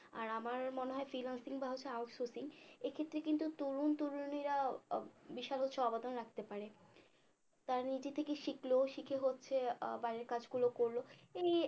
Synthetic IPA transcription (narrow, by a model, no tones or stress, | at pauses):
a̰ɾamaɾmoneɦɔefɾilaŋsiŋbaɦot͡ɕʰeawʈsoɾsiŋekʰet̪ːɾekint̪ut̪uɾunt̪uɾuniɾa | biʃalɦotːɕʰeɔbad̪onɾak̚ʰt̪epaɾe | t̪aɾanid͡ʑet̪ʰekeʃikloʃikʰeɦotːɕʰebaɾeɾkad͡ʑɡulokoɾloej